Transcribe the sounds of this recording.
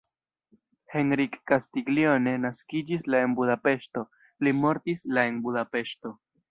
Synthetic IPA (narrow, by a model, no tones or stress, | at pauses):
he̞nɾikːastiɡlio̞ne̞naskid͡ʒislae̞nbudape̞ʃto̞ | limo̞ɾtislae̞nbudape̞ʃto̞